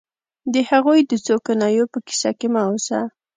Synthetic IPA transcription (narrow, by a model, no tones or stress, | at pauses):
d̪əhaɣujd̪ət͡sokanɑjopəki̥sa̰kemaosa̰